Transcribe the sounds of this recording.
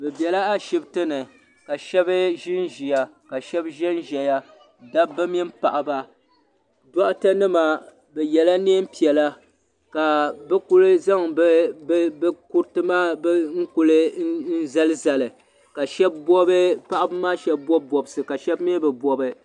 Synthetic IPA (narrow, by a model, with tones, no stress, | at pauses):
bɛ˨bɛ˨la˦a˦ʃɪ˦btɨ˦nɨ˨ | ka˨ʃɛ˦bɨ˦ʒɪ˦nʒi˨ja˨ | ka˨ʃɛ˦bʒɛ˦nʒɛ˨ja˦ | da˦bɨ˦mi˦m˦pa̰˨ʔa˨ba˦ | dɔ˦ʔta˦nɨ˦ma˨ | bɛ˨jɛ˨la˦ne˦m̩˦pi˨ɛ˨la˦ | ka˨bɛ˦ku˦lɨ˦za˦ŋbbku˦ɾtɨ˦maː˦bŋ̩˦ku˦lɨ˦n̩˦za˦lɨ˦za˨lɨ˨ | ka˨ʃɛ˦bbɔ˦bɨ˦pa˦ʔa˦bɨ˦maː˦ʃɛ˦b̚bɔ˦b̚bɔ˨bsɨ˨ka˨ʃɛ˦bmi˦bɛ˨bɔ˨bɨ˨